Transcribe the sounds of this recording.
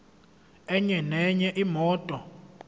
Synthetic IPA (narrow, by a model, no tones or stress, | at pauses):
ɛɲɛnɛɲɛʔimɔːtʼɔ